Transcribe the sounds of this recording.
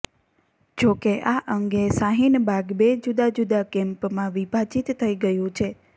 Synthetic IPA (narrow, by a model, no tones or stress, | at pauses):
d͡ʒokeʔaʔəŋɡesaɦinbʱaɡbed͡ʒud̪ad͡ʒud̪akɛ̃mpmãʋibʱat͡ʃit̪ʰːəiɡəjũt͡ʃʰe